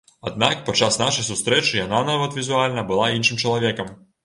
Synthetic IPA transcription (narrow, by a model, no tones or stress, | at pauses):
ɐd̪̚nakpɔt͡ʃasnaʃɪjsʊst̪ɾɛt͡ʃɪjɐnanaʋɐt̪ʋʲizʊalʲnɐbʊlˠainʃɪmt͡ʃɔlˠɔʋʲɛkɐm